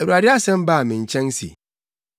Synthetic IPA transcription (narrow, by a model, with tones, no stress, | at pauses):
e˨wu˨a˨dɪ˦a˦sɛ̃˦m˦baː˦˨mĩ˨n̩˨t͡ʃɛ̃˦ŋ˦sḭ˨